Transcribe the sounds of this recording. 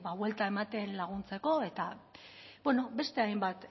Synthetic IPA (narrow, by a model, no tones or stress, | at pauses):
baβwe̞lt̪ae̞mat̪e̞nlaɣ̞unt͡se̞ko̞e̞t̪a | bwe̞no̞be̞st̪e̞ajmbat̪